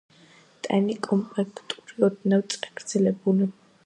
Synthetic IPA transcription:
t̪ʼɛnikʼɔmpʼlɛkʰt̪ʼuɾiɔd̪nawt̪sʼaɡɾd̪z̥ɛlɛbuli

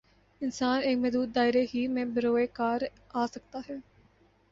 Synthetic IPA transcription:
ɪnsaːneːkmɛːd̪uːt̪̚d̪aːɪɾeːɦiːmɛ̃ːbəɾoːeːkaːɾ | aːsəkt̪aːɦɛː

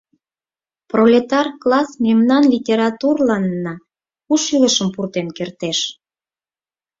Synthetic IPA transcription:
prolʲet̪ɑrklɑsmemnɑnlʲitʲeɾɑt̪urlɑnːɑ | uʃyləʃəmpurt̪enkert̪eʃ

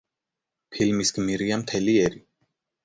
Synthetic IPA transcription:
pʰilmisɡmiɾiamt̪ʰɛliɛɾi

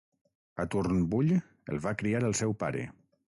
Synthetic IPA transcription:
at̪urnbuʎ | ə̰lˠβakɾiaɾəlˠsɛwpa̰ɾḛ

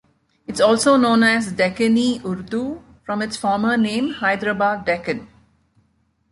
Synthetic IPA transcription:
ɪʈsɔːlsoːnõːnæzɖɛkəniʔʊɾd̪u | fɾɔ̃mɪʈsfɔːɾmənẽːmhaɪd̪ɾəbaːɛkən

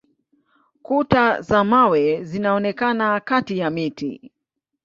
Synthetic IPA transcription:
kutazamawɛzinaɔnɛkanakatijamitḭ

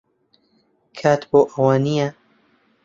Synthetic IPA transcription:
kʰaːt̪boːʔɐwaːnija

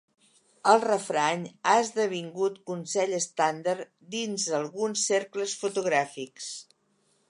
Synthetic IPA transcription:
əlˠrəfɾaɲaəzðəβ̞iŋɡut̪kunsɛʎəst̪and̪əɾ | d̪inzðəlˠɣunsːeɾkləsfut̪uɣɾafiks

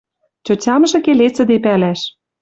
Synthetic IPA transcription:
t͡ɕot͡ɕɑmɤ̆ʒɤ̆kelet͡sɘ̆d̪epælæʃ

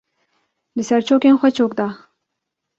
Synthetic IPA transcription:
lɨsaɾt͡ʃoːkenxʷat͡ʃoːk̚d̪a

